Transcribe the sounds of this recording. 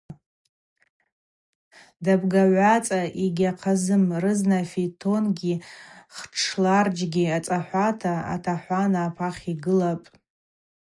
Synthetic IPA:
dabɡaʕʷat͡sʼaʔiɡʲaqʰazɨmrɨznafitʰo̞nɡʲiχʈ͡ʂʰlard͡ʒɡʲiat͡sʼaħʷatʰaa̰tʰaħʷanaːpʰaχʲiɡɨlapʼ

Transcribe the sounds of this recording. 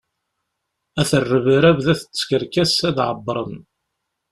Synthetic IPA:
æθərːəvəɾævðæθə̥t͡sːkəɾkæsæðʕəbːɾˤən

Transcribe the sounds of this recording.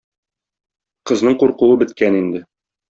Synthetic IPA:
qɤ̆znɤɴquɾquwɤbɘ̆t̪̚kænind̪ɘ

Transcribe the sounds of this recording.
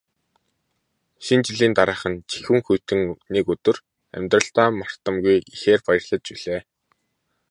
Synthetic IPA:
ʃint͡ɕiɮiːnt̪aɾaːχə̆nt͡ɕi̥xɘ̆ŋxujʰt̪ɘ̆ŋnikɵt̪ɵ̆r | æ̰mʲt̪rə̆ɬt̪aːmar̥t̪ə̆mɡujixeːrpajə̆rɮə̆t͡ɕpiɮ̥eː

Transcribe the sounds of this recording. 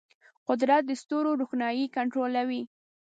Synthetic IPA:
qʊd̪ɾat̪̚d̪əst̪oɾoɖuxnɑjikaɳʈɾolawi

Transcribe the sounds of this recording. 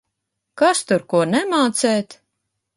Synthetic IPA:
kast̪uɾkuɔnɛmaːt̪sɛːt̪

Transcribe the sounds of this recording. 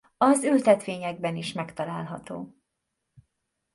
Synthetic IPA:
ɒzylt̪ɛt̪ʋeːɲɛɡ̚bɛniʃmɛkt̪ɒlaːlɦɒt̪o̰ː

